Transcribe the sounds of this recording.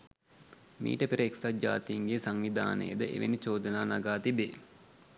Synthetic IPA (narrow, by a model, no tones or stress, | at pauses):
mḭːʈəpiɾəeksad͡ʒa̰ːt̪əjiŋɡesaŋʋid̪ʱa̰ːnə̰jəd̪əʔḛʋḛnit͡ʃoːd̪ənaːnaɡaːt̪ibeː